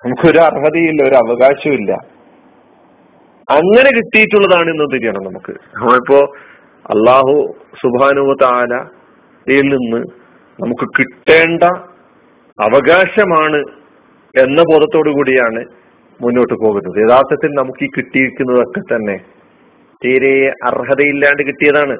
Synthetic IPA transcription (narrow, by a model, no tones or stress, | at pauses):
nɐmukːɨo̞ɾuɐrɦɐðɐjilːɐo̞ɾuɐʋɐɣaːɕɐmilːɐ̰ | ɐŋːɐne̞kiʈːijitːuɭːɐðaːɳɨenːunt̪iɾijɐɳɐmnɐmukːɨ̰ɐmɐɭipːo̞ː | ɐ̰lːaːɦu | subɦaːnɐɦuːɐt̪ɐaːlɐ | jilninːɨ | nɐmukːɨkiʈːe̞ːɳɖɐ | ɐʋɐɡaːɕɐmaːɳɨ | e̞nːɐbod̪ɐt̪ːo̞ːɽukuːɽijaːɳɨ | munːo̞ːʈːɨpo̞ːɣunːɐðɨeðaːrt̪ɐt̪ːilnɐmukːiːkiʈːiiikʲːunːɐðo̞kːe̞t̪ɐnːe̞ | t̪iːɾejɐʔɐ̰rɦɐðɐjilːaːɳɖɨkiʈːijɐðaːɳɨ